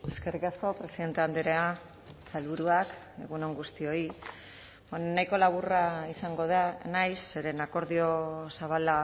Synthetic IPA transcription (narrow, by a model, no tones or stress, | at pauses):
e̞ske̞rikasko̞pɾe̞siðe̞nt̪e̞and̪eɾea | salβuɾuak | e̞ɣuno̞ŋɡust̪io̞i | najko̞laβ̞uraisaŋɡo̞ðanajseɾe̞nako̞ɾðio̞saβ̞ala